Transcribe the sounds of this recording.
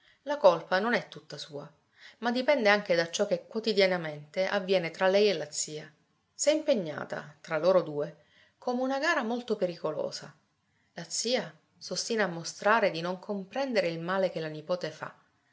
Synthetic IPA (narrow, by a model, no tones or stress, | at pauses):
lakolpanonɛt̪ːut̪ːasuːa | mad̪ːipɛnd̪eaŋk̟ed̪at͡ʃːɔkːekːwot̪id̪janament̪eʔa̰vːjɛːnet̪ɾalɛjelːat̪sːiːa | sɛimpeɲːa̰ːt̪a̰t̪ɾaloːɾod̪uːe | koːmeunaɡaːɾamolt̪opeɾikolo̰ːza̰ | lat̪sːiːa | sost̪iːnaːmːost̪ɾaːɾed̪inoŋkʰompɾɛnd̪eɾeilmaːlek̟elanipoːt̪efa̰